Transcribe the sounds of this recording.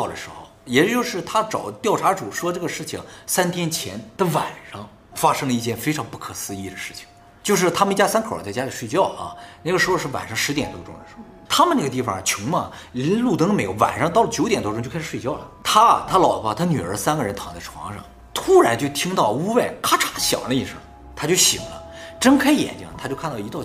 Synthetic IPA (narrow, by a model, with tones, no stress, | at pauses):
d̪ə˩ʂɻ̩˧˥xo̰˥˩ʊjɛ˨˩t͡ɕt͡ɕjo˥˧ʊʂɻ̩˥˩t̪ʰa˥ʈ͡ʂɑ˨˩ʊt̪jɑ˥˩ʊʈ͡ʂʰa˧˥ʈ͡ʂu˨˩ʂwɔ˥ʈ͡ʂɤ˥˩ɡə˩ʂɻ̩˥˩t͡ɕʰḭ˩ŋsa˥nt̪ʰjɛ˥nt͡ɕʰjɛ̰˧˥nd̪ə˧wa˨˩nʂɑ˥ŋ | fa˥ʂɤ˥ŋlə˧i˥˧t͡ɕjɛ˥˧nfe˥ɪʈ͡ʂʰɑ˧˥ŋpu˥˩kʰɤ˨˩sɹ̩˥i˥˩d̪ə˩ʂɻ̩˥˩t͡ɕʰi̥˩ŋ | t͡ɕjo˥˧ʊʂɻ̩˥˩t̪ʰa˥mə˧ni˥˩t͡ɕja˥sa˥nkʰt͡sa˥˩ɪt͡ɕja˥li˨˩ʂwe˥˧t͡ɕjɑ˥˩ʊʔɐ̰˩na˥˩ɡə˩ʂɻ̩˧˥o˧ʂɻ̩˥˩wa̰˨˩nʂɑ˥ŋʂɻ̩˧˥t̪jɛ˨˩nt̪wɔ˥ʈ͡ʂʊ˥ŋd̪ə˩ʂɻ̩˧˥xʊt̪ʰa˥mə˨na˥˩ɡə˧t̪i˥˩fɑ˨˩t͡ɕʰʊ˧˥ŋmɐ˧li˧˥nlu˥˩t̪ə˧˥ŋə˧me˧˥ɪjo˧˩ʊwa̰˨˩nʂɑ˥ŋt̪ɑ˥˩ʊlə˩t͡ɕjo˧˥ʊt̪jɛ˨˩nt̪wɔ˥˧ʈ͡ʂŋt͡ɕo˥˧kʰʂ̩˥˩we˥˧t͡ɕjɑ˥˩ʊlə̰˩t̪ʰa˥t̪ʰa˥lɑ˨˩ʊ˧a˥˩t̪ʰa˥ny˨˩ə˞˧˥sa˥nɡə˨ɻə˧˥nt̪ʰɑ˧˥ŋt͡sa˥˩ʈ͡ʂʰwɑ̰˧˥ŋʂɑ̰˥˩ŋ | t̪ʰu˥ɻa˧˥nt͡ɕjo˥˩ʊt̪ʰi˥ŋt̪ɑ˥˩ʊu˥we˥˩ɪkʰa˥ʈ͡ʂʰa˧˥ɕjɑ̰˨˩ŋlə˦i˥˧ʂə̰˞˥˩ | t̪ʰa˥t͡ɕjo˥˩ʊɕḭ˨˩ŋlə̰˦ʈ͡ʂə˥nkʰa˥˧jɛ̰˨˩nt͡ɕi˧˥ŋə˩t̪ʰa˥t͡ɕo˥˧ʊkʰn˥˩i˧˥t̪ɑ˥˧˩